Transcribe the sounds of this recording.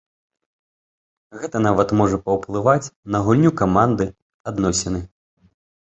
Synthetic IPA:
ɣɛt̪ɐnavɐt̪mɔʐɐpɐwplˠɨvat͡sʲnɐɣulʲnʲukamand̪ɨ | ad̪nɔsʲɛnɨ

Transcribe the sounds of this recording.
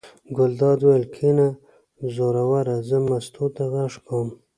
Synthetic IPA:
ɡʊld̪ɑd̪wajəlkʰina | zoɾawaɾazəmast̪ot̪aɣaʂkʰam

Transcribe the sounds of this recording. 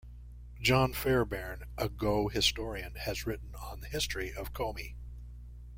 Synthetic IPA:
d̥d͡ʒɑ̃nfɛɹbɛɹnʔəɡoʊhɨstɔɹiɨ̃nɨzɹɪʔn̩ə̃nðɨhɪstɹ̥iʔʌv̥kʰõʊ̃mi

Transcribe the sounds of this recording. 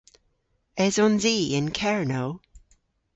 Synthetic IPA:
ɛzɔ̃nziːɪ̃nkʰɛɹnoʊ

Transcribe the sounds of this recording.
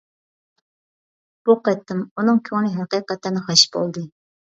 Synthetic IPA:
b̥uqɛt̪ːɨmunɨŋkʲʰøŋnɪɦɑqiːqɛt̪ːɨnɨχɑʃbo̰lˠd̪ɨ

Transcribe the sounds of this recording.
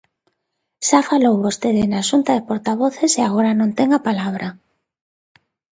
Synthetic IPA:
ʃafalowβost̪eðɪnaʃunt̪aðɪpoɾt̪aβ̞oθeseaɣ̞oɾanõnt̪ɛŋapalaβ̞ɾʔa

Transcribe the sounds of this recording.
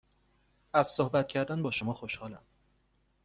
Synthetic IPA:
æz̥sohbæt̪̚cʰæɾd̪ænbɒːʃomɒːxoʃhɒːlæ̰m

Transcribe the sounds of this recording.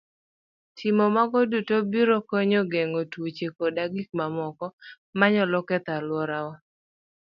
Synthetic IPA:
tʰɪmɔmaɡɔdutobiɾokɔɲɔɡeŋotuot͡ʃekodaɡik̚mamɔkɔ | maɲɔlɔkɛt̪alwɔɾawa

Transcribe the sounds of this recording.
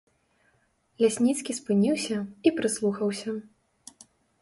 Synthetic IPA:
lʲasʲnʲit̪skʲispɨnʲiwsʲɐipɾɨslˠuxɐwsʲɐ

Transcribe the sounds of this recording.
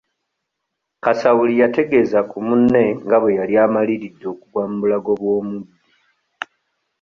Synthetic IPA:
kasawulijate̞ɡe̞zakumunːe̞ŋɡaβwe̞jaljaːmaliɾidːo̞ːkuɡwaːmubulaɡo̞βwo̞ːmudːi

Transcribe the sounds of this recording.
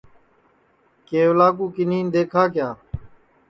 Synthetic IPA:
keːʋlaːkuːkɪniːnd̪eːkʰaːkɪjaː

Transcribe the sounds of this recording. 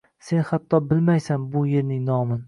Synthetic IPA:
se̞nhat̪ʰːɒbɪlmajsambʊje̞ɾnɪŋnɒmɪn

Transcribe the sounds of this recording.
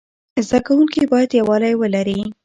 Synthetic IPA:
zd̪akawuŋkibɑjad̪jawɑlajwəlaɾi

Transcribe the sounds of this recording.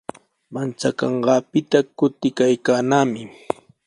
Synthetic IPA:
mant͡sakɑɴɢɑːpɪt̪akʊt̪ɪkajkaːnaːmɪ

